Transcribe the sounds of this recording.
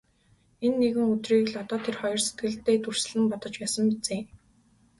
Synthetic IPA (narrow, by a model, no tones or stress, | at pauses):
enːeɣɘ̆ŋɵt̪riːɣɘ̆ɮɔt̪ɔːt̪ʰerχɔjɞ̆rset̪ɡɘ̆ɮt̪ːeːt̪ʰur̥sɘ̆ɮɘ̆mpɔt̪ɞ̆t͡ɕpæːsə̆mpit͡seː